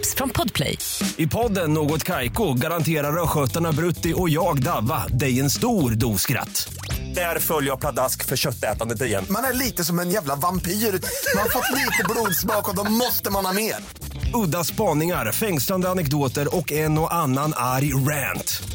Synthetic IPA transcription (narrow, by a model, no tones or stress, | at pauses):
psfɾɔnpʰɔd̪pʰlɛ̰j | ɪpʰɔd̪ːənːoːɡɔt̪kʰajkʊɡaɾant̪ʰeːɾaɾœɧœt̪ːaɳabɾɵt̪ːɪʔɔjɑːɡd̪avːad̪ɛjɛnst̪uːɾd̪uːskɾa̰t̪ː | d̪̥æɾfœljəjapʰlad̪askfœɕœt̪ːɛ̰ːt̪and̪ət̪̬ɪɾjɛ̰nːmanæɭiːt̪əsɔmɛnjæːvlavampiːɾmanhaɾfɔt̪ːliːt̪əbluːd̪smɑːkɔd̪ɔmɔst̪əmanhɑːmeːɾ | ɵd̪ːaspɑːnɪŋaɾfɛŋsland̪əanɛk̚d̪oːt̪əɾɔkɛnːɔʔanːanaɾjɾænt̪